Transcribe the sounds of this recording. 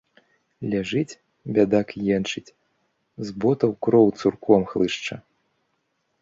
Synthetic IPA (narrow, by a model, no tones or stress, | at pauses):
lʲaʐɨt͡sʲ | bʲad̪akjɛnt͡ʂɨt͡sʲ | zbɔt̪ɐwkɾɔwt̪surkʰɔmxlˠɨʂt͡ʂɐ